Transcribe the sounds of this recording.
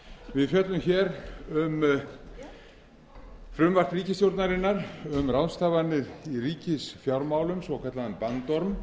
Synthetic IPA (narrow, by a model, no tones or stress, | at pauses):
vɪðfjœt̪lʏmçɛːɾʏm | fɾʏmvar̥t̪riːcɪst̪jowɾt̪naɾɪnːaɾʏmrawnst̪ʰaːvanːɪðiriːcɪsfjawɾmawlʏmsvɔwkʰat̪laðʏnpant̪ɔɾm